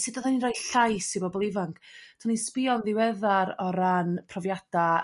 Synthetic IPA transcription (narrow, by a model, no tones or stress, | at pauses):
sidɔðaninrajɬajsibɔbɔlˠɪvaŋkʰtʰanispɪɔnðɪwɛðaɾɔɾanpʰrɔvjad̥a